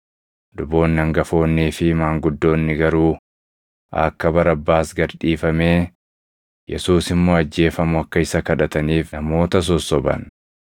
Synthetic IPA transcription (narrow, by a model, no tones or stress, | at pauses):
d̪ʊbo̞ːnːɐŋɡɐfo̞ːnːiːfɪmaːŋɡʊd̪ːo̞ːnːɪɡɐɾuː | ɐ̰kːɐbɐɾɐbːaːsɡɐɾᶑiːfɐme̞ː | jɛ̰suːsɪmːo̞ːɐd͡ʒːe̞ːfɐmʊɐkːɐɪsɐkɐᶑɐt̪ɐniːfnɐmo̞ːt̪ɐs̬ɔsːɔbɐ̰n